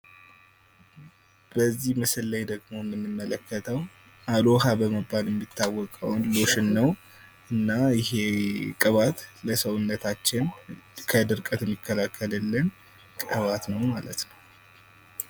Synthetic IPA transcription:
b̥əzːihmɨsɨlːajd̪əɡmo̞mːɨnːɨmːələkʰːət̪ʰəw | ʔaloɦabəməbːaljɛmːit̪ːawːɔkʼə̰wnloʃɨnːəw | ʔɨnːajɪɦe̞kʼɨβat̪ləsəwʊnːət̪ʰat͡ʃːɪnkʰəd̪ɨɾkʼət̪ɛmːikʰːəlakʰːəlɨlːən | kʼɨβat̪nəwmalət̪nəw

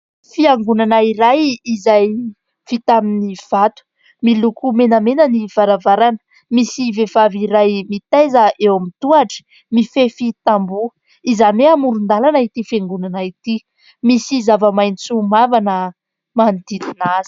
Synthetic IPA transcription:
fiaŋɡunanaiɾajizaj | fit̪aminiv̥at̪u̥ | milukumenəmenəniv̥aɾavaɾanə̥ | misivevaviɾajmit̪ejzəʔewamit̪uaʈ͡ʂə̥ | mifefit̪ambu | izaneamuɾund̪alanait̪ifaŋɡunanait̪i | misizavəmajnit͡sumavanə | mand̪it̪inaz̥i̥

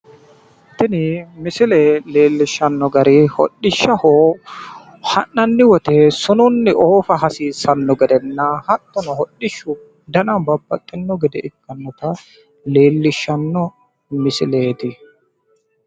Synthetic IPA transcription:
t̪ɪnɪmɪsɪleːleːlːɪʃːɐnːɔɡɐɾiːhɔ̰ɗːɪʃːɐhoː | hɐnːɐnːɪwɔt̪esʊnʊnːɪʔoːfɐɦɐsiːsɐnːɔɡɛd̪ɛnːahɐt̪ːɔnɔhɔɗːɪʃːʊ | d̪ɐnɐmbɐbːɐt̪ʼːɪnːɔɡɛd̪ɛʔɪkːɐnːɔt̪ɐ | leːlːɪʃːɐnːɔ | mɪsɪleːt̪ɪ

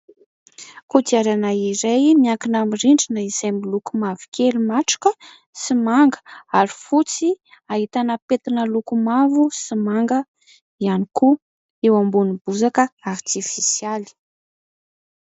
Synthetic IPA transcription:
kut̪iaɾanaiɾejmiaŋkinamiriɳɖ͡ʐinəizajmilukumavi̥kʲelimaʈ͡ʂḁkə | simaŋɡə̥aɾifut͡si | aɦit̪anəpet̪inəlukumavusimaŋɡə | ianiku | ewambunib̥uzakəart̪ifisjali̥

